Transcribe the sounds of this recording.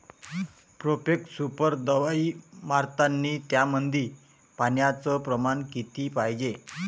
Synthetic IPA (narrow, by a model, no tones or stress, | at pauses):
pɾopeksupəɾd̪əʋaimaɾt̪anːiːt̪jamənd̪ʱiː | panjat͡səpɾəmankit̪iːpajd͡ʑe